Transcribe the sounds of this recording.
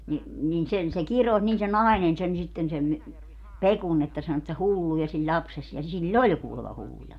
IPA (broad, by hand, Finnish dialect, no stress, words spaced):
ni nin sen se kirosʲ niːn se nɑˑinen sen sitːen sem mi pekun etːæ sɑno etːæ hulːujɑ silʲ lʲɑpses jɑ silː olʲ kuːlemɑ hulːujɑ